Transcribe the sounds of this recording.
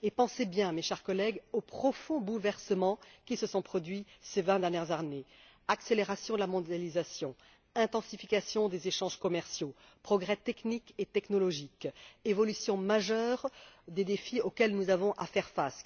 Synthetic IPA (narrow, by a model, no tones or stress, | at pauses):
epɑ̃sebjɛ̃meʃɛʁkɔlɛɡopχɔfɔ̃bulvɛʁsəmɑ̃kʲisəsɔ̃pχɔd̪ɥisevɛ̃d̪ɛʁnjɛʁzaʁne | akseleʁasjɔ̃d̪əlamɔ̃d̪jalizasjɔ̃ | ɛ̃t̪ɑ̃sifikasjɔ̃d̪ezeʃɑ̃ʒkɔmɛʁsjo | pχɔɡʁɛt̪ɛkniket̪ɛknɔlɔʒikevɔlysjɔ̃maʒœʁd̪ed̪efiokʲɛlnuzavɔ̃ʔafɛʁfas